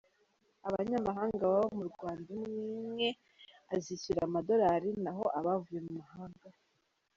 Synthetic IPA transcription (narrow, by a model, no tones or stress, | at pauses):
aβaɲamaɦaːŋɡaβaβamuɾɡwaːndamŋiːmŋe | aziciɾamado̞ɾaɾinaɦo̞ʔaβavuje̞mumahaːŋɡa